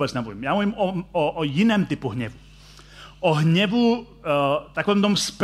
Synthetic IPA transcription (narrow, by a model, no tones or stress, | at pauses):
bɛd͡zɲɛmuvimjaːmuʋimɔɔʔɔjinɛːmt̪ipuɦɲɛʋu | ʔɔɦɲɛʋu | t̪akɔʋɛmt̪ɔmsp